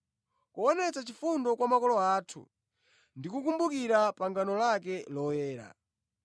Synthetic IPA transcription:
kuɔnɛt͡sat͡ʃifundɔkwamakɔlɔaːtʰṵ | ndikukumbukiɾapaŋɡanɔlakɛlɔjɛːɾa̰

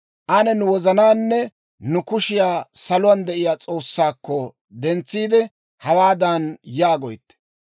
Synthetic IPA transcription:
ʔɐnɛnʊwɔzɐnaːnːɛ | nʊkʊʃɪjaːsɐlʊwɐnd̪ɛʔɪjaːt͡sʼo̞ːsːaːkːɔ | d̪ɛnt͡sːiːd̪ɛ | hɐwaːd̪anjaːɡɔjt̪ːɛ̥

